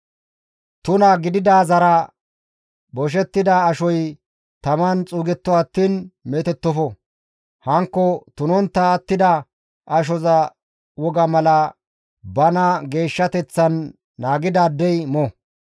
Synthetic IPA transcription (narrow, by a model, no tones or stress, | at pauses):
t̪ʊnɐɡɪd̪ɪd̪aːzɐɾɐ | bɔʃ̬ɛt̪ːɪd̪ɐːʃɔj | t̪ɐmɐnt͡sʼuːɡɛt̪ːɔɐt̪ːiːnmɛːt̪ɛt̪ːɔfɔ | hɐŋkːɔt̪ʊnɔnt̪ːɐːt̪ːɪd̪ɐ | ʔɐʃ̬ɔzɐ | wɔɡɐmɐlɐ | bɐnɐɡe̞ːʃːɐt̪ɛt͡sːɐnː | aːɡɪd̪aːd̪ːɛjmɔ